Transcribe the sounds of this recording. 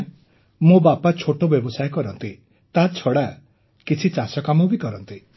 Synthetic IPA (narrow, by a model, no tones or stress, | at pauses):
mobapat͡ʃʰoʈobjɔbɔsajɔkɔɾɔnt̪i | t̪at͡ʃʰɔɽa | kit͡ʃʰit͡ʃasɔkamɔbikɔɾɔnt̪i